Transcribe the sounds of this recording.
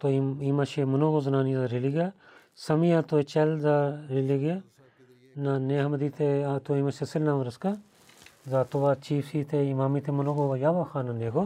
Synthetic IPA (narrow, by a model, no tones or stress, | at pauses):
t̪oimaʃemɐnoːɡozɐnaːnizaɾeliɡa | sɐmijaːt̪oet͡ʃɐlzaːɾeliɡe | naneːɦmɐd̪iːt̪ʰet̪oimaʃesɪlnãːmɐɾɐska | zaːt̪oʋaːt͡ʃiːfsiːt̪ʰeimaːmit̪ʰemɐnoːɡoːajaːʋaːxʰaːnaneːɡo